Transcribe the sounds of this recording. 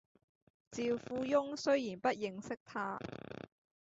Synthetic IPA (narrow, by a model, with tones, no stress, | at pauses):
t͡siː˨wfuː˧jʊ˥ŋsɵ˥ɥjiː˨˩npɐ˥t̚jɪ˨˧ŋsɪ˥k̚t̪ʰaː˥